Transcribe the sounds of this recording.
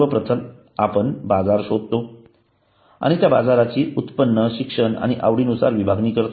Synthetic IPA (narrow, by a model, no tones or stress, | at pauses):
ʋəpɾət̪ʰən | apəɳbad͡zaɾɕod̪̚ʱt̪o | a̰ɽ̃it̪jabad͡zaɾat͡ɕiːut̪pənːəɕikʂəna̰ɽ̃iʔa̰ʋɽiːnusa̰ɾʋibʱaɡniːkəɾt̪